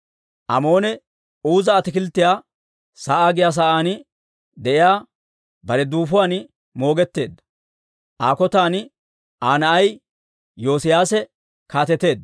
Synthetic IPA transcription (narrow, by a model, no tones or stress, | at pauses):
ʔɐmo̞ːnɛ | uːzɐːt̪ɪkɪlt̪ːɪjaː | saːʔaːɡɪjaːs̬aːʔaːnɪ | d̪ɛʔɪjaː | bɐɾɛd̪uːfʊwaːn | mo̞ːɡɛt̪ːe̞ːd̪ːɐ | ʔaːkɔt̪aːn | ʔaːnɐʔɐj | jo̞ːsɪjaːsɛ | kaːt̪ɛt̪ːe̞ːd̪